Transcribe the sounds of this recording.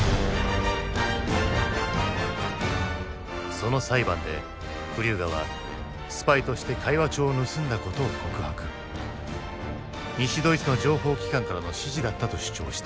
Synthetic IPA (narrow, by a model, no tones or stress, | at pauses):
so̞no̞saibãnd̪e̞̰ | ɸɯ̟ɾʲɨːɡaβ̞a̰ | sɨ̥pait̪o̞ɕi̥t̪e̞kʰaiβat͡ɕo̞ːnɯ̟sɨ̃nd̪ako̞t̪o̞ːkʰokɯ̟hakɯ̟̥ | ɲ̟iɕid̪o̞it͡sɨno̞d͡ʑo̞ːɦo̞ːkʲi̥kãŋkaɾano̞ɕiʑid̪at̪ːat̪o̞ɕɨ̥t͡ɕo̞̰ːɕi̥t̪ḁ